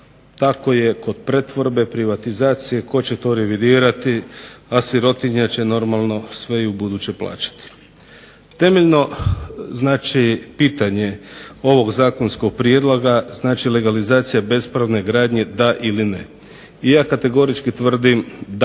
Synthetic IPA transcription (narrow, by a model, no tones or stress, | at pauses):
t̪ako̞je̞ko̞d̪̥pɾet̪ʋo̞ɾbe̞pɾiʋat̪izaːt̪sije̞ko̞t͡ɕe̞t̪o̞ɾeʋid̪iːɾat̪iasiɾo̞t̪iɲat͡ɕe̞no̞ɾmalˠno̞sʋe̞iubud̪uːt͡ɕepla̰ːt͡ɕḁt̪i̥ | t̪e̞meʎno̞znaːt͡ʃipiːt̪aɲe̞o̞ʋo̞ɡzaːko̞nsko̞ɡ̚pɾijed̪lˠoɡaznaːt͡ʃile̞ɡalizaːt̪sijabe̞spɾaʋne̞ɡɾaːd̪ɲe̞d̪aʔiline | ijaːkat̪e̞ɡo̞ɾit͡ʃkit̪ʋr̩d̪imd̪